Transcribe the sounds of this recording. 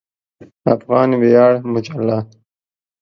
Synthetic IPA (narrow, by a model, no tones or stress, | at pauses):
afɣɑːnbejɑːɽmʊd͡ʒalːa